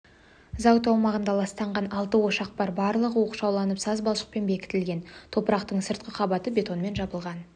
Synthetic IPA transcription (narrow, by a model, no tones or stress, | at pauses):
zɑwt̪ɑwmɑʁənd̪ɑlˠɑst̪ɑɴʁɑnɑlˠt̪əwo̞ʃɑq̚bɑɾbɑɾlˠəʁəwo̞qu̥ʃɑwlˠɑnəpsɑzbɑlˠʃə̥q̚pe̞nbe̞kʲɪ̥t̪ɪlɡʲe̞nt̪ʰo̞pəɾɑqt̪əɴsəɾt̪̚qəqʰɑbɑt̪əbʲe̞t̪o̞nme̞nʒɑbəlˠʁɑn